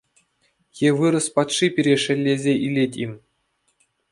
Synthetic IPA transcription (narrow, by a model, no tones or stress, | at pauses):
jeʋɯɾɤ̆spɑt̪ʂipʲiɾʲeʂɘ̆lʲːezʲeʔilʲetʲimʲ